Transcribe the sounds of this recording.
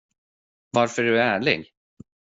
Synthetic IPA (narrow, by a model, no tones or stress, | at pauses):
vaɾfœɖɵææːɭɪ̰ɡ